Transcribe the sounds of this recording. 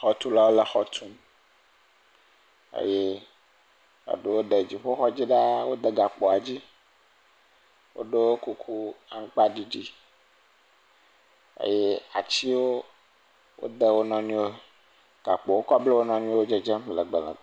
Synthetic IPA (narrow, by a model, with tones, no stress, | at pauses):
xɔ˦t̪u˦la˦wo˦lə˨xɔ˦t̪ʰu˦m | ḛ˦je˦ | a̰˨ɖe˨wo˦ɖe˨d͡ʑi˨ɸo˦xɔ˦d͡ʑi˦ɖa˦wo˦d̪e˦ɡa˨k͡po˨a˨d͡ʑi˦ | wo̰˦ɖe˦wo˦ku˦kʰu˦a˨˦ŋ̩˦k͡pa˦ɖi˦d͡ʑi˦ | ḛ˦je˦a̰˨t͡ɕi˦wo˦ | wo̰˦d̪e˦wo˦nɔ̃˦nũ˦wo˦ | ɡ̥a˨k͡po˨wo˦kɔ˦ble˦wo˦nɔ̃˦nũ˦o˦o˦d͡ʒe˦d͡ʒe˦m˨lə˨ɡ͡bə˨lə̰˨